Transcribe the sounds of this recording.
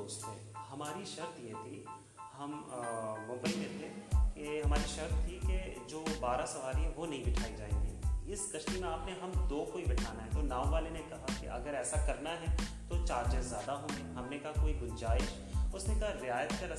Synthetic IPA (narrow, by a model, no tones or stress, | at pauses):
oːst̪ḛ̃ːhɐmaːɾiʃɐɾt̪iẽt̪ʰi | ɦɐmmʊ̃mbəimẽt̪ʰekeɦɐmaːɾiʃɐɾt̪t̪ʰːiked͡ʒoːbaːɾasɐʋaːɾiɦɛʋonɐɦĩbɪʈʰaːid͡ʒaːḛ̃ːŋɡḭːɪskɐʃʈimẽaːpneɦɐmd̪oːkoːibɪʈʰaːnaɦɛt̪oːnãːõʋaːlenẽkɐɦakḛʔɐ̰ɡəɾɛːsakɐɾnaɦɛt̪ot͡ʃaːɾd͡ʒɪzːjaːd̪aɦõːɡeɦɐmnekɐɦakoːiɡʊnd͡ʒaːɪʃ | ʊsnekɐɦaɾɪaːjət̪kɐɾɐ